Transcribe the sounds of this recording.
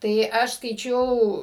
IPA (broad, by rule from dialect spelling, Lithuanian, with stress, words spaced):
ˈtɐɪ ˈɐʃ skɐɪˈt͡ʃʲɛʊ